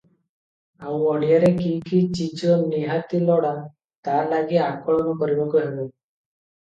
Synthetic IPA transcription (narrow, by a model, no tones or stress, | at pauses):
awɔɽijaɾekikit͡ʃid͡ʒɔniɦat̪ilɔɽa | t̪alaɡiakɔɭmɔkɔɾibɔkuɦebu